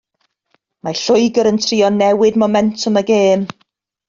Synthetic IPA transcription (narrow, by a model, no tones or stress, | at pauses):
maɬʊɨɡəɾəntʰriːɔnɛwɪdmɔmɛntʰʊməɡeːm